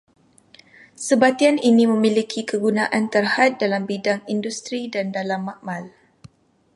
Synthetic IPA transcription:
səbat̪ianinimə̃milikʰikəɡunaʔant̪ərhat̪̚dalambidaŋindust̪ɾidandalamːaʔmal

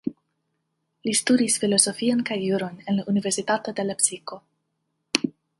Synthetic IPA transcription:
listudisfilo̞so̞fionkajːuɾonenlaʔunive̞ɾsitat̪o̞de̞lapsiko̞

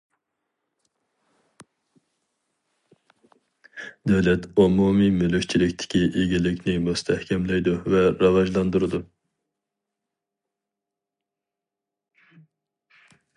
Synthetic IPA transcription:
d̪øwlɛt̪ʰomumimylykʲt͡ʃʰilɪkʲt̪ʰɪ̥kʲʰiʔiɡʲilɪkʲʰnɪmust̪ʰɛhkʲʰɛmlɛjd̪uvɛɾɑvɑʒlˠɑnd̪uɾɨd̪u

